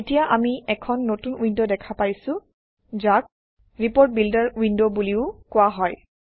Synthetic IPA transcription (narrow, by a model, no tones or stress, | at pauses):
etijaʔamiɛkʰɔnːotunwindodɛkʰapajsʊ̃ | zak̚ | ɹipoɹt̚bildaɹwindobuliʊkʊaɦɔj